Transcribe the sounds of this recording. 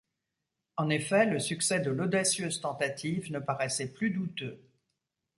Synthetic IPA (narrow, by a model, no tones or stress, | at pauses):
ɑ̃nefɛləsyksɛd̪əlod̪asjøzt̪ɑ̃t̪at̪ʰivnəpaʁɛsɛplyd̪ut̪ø